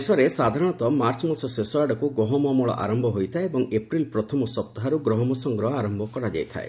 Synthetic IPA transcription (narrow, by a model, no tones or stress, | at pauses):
sɔɾesad̪ʱaɾɔɽ̃ɔt̪ɔmaɾt͡ʃɔmasɔsesɔaɖɔkuɡɔɦɔmɔmɔɭɔ̰ʔa̰ɾɔmbʱɔɦojt̪ʰaeebɔŋepɾilpɾɔt̪ʰɔmɔsɔp̚t̪ɔɦaɾuɡɾɔɦɔmɔsɔŋɡɾɔɦɔaɾɔmbʱɔkɔɾad͡ʒa̰jt̪ʰa̰e